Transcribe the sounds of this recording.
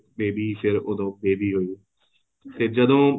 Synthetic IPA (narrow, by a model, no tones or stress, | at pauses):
beːbiːpʰɪɾʊd̪õːbeːbiːɦoiː | t̪eːd͡ʒəd̪õː